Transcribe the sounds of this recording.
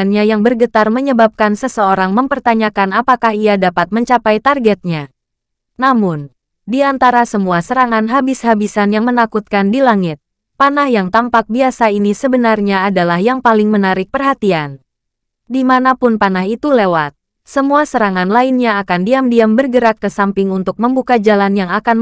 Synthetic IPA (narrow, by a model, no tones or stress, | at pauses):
nɲajaŋbərɡət̪arməɲəbap̚kansəsəoɾaŋməmpərt̪aɲakanapakahiadapat̪̚məɲt͡ʃapajt̪arɡɛt̪̚ɲa | namʊn | diant̪aɾasəmuasəɾaŋanɦabishabisanjaŋmənakut̪̚kandilaŋɪt̪̚ | panahjaŋt̪ampak̚biasainisəbənarɲaːdalahjaŋpalɪŋmənaɾɪk̚pərɦat̪ian | dimanapʊnpanahit̪ulewat̪̚ | səmuasəɾaŋanlainɲaːkandiamdiambərɡəɾakːəsampɪŋunt̪ʊk̚məmbukad͡ʒalanjaŋakan